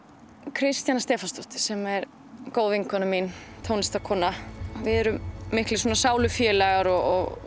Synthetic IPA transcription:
kʰɾɪst̪janast̪ɛːfanst̪ɔht̪ɪ̥sɛmɛɾ | koːwðiŋkʰɔnamint̪ʰownɪst̪akʰɔːnavɪðɛɾʏmːɪhklɪswoɔnasaːwlʏfjɛːlɛɣaɾɔɣɔɣ

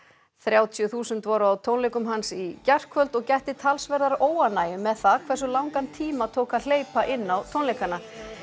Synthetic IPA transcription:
θɾjaːwt̪ʰjʏθuːsʏnt̪vɔɾʏawt̪ʰownlejkʏmɦansicɛr̥kʰvœlt̪ɔɣcɛht̪ɪt̪ʰalsvɛɾðaɾoːwanːaːjɪmɛðθakʰvɛr̥s̬ʏlawŋkant̪ʰiːmat̪ʰoːwkal̥eːjpaʔɪnːawt̪ʰownlejkana

